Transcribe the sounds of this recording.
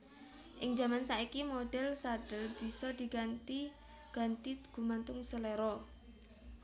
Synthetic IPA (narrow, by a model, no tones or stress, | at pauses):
ʔɪŋd͡ʒa̤mansaikimoɖ̥ɛlsaɖ̥ə̤lb̥i̤sɔd̪̥i̤ɡant̪i | ɡ̥a̤nt̪iɡ̥ṳmant̪ʊŋsəleɾɔ